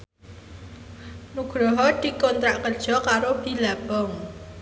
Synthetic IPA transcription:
nuɡ̥ɾɔɦɔd̪̥i̤kɔnt̪ɾaʔkəd̥ʒ̥ɔkaɾob̥i̤lab̥ɔŋ

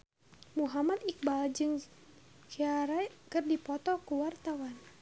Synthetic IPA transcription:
muɦamat̪ik̚bald͡ʒɨŋ | kiaɾakɨrdipɔt̪ɔkuwart̪awan

